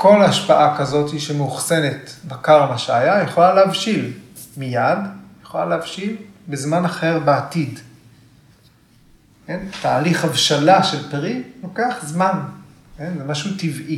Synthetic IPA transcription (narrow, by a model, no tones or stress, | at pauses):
ko̞laʃpaʔakazo̞tiʃemeuχse̞ne̞tbakaʁlaʃajajeχolaleavʃil | mijad̪jeχolaleavʃilbezmanaχe̞ʁbeatid | kentaːliχhavʃalaʃelpʁino̞keaχzman | ke̞nzemaʃutivʔi